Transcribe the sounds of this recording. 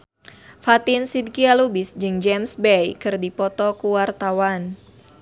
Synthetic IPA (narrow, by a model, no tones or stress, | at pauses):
fat̪ɪnsid̚kialubisd͡ʒɨŋd͡ʒɛmsbɛjkɨrdipɔt̪ɔkuwart̪awan